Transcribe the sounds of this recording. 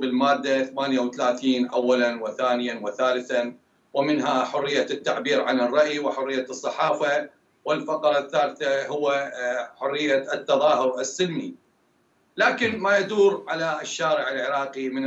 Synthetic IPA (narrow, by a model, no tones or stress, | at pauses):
bɪlmaːd̪ːaθamaːnjawθalaːθiːnʔawːalanwɪθaːnɪjawɪθaːlɪθan | wɪmɪnɦaħʊrːɪjːat̪ːaʕbiːɾʕanɪrˤːɑʔjiwɪħʊrːɪjːasˤːɑħɑːfa | wɪlfɑqɑɾˤɑθːaːlθahʊwːaħʊrːɪjːat̪ːɑðˤɑːɦʊɾʔɪsːɪlmi | laːkɪnmajad̪uːɾʕalaɪʃːaːɾɪʕɪlʕɪɾɑːqimɪn